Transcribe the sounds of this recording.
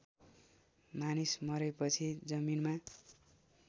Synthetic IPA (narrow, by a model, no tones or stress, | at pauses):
manismʌɾepʌt͡sʰid͡zʌminma